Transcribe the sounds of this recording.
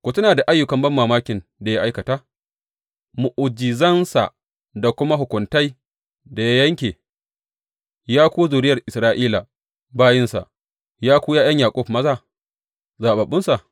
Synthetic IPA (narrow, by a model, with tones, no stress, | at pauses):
kʷoː˨tʊ˦naː˨da˨ʔa˦jːʊ˨kɐ˨˦mbɐ˦mːaː˨maː˦kʲɪ˨nda˨ji˦ʔa˦jkɐ˨taː˦ | mu˨ʔʊ˨d͡ʒɪ˨zɐ˦nsa̰˨ | da˨kʷʊ˦ma˦ɦʊ˨kʷʊ˨nta˦j | da˨ja˦jɐ˦ŋkʲeː˨ | jaː˦kʷoː˦zʊː˨ɾɪ˦jɐ˨rʔɪ˨sɾaː˦ʔiː˦la˨ | baː˦jɪ˦nsa̰˨ʔ | jaː˦kʷoː˦jaː˦jɐ˦ɲjaː˨kʷʼʊ˦ɸmɐ˦zaː˦ | zaː˨ɓa˨ɓʊ˦nsa˨ʔ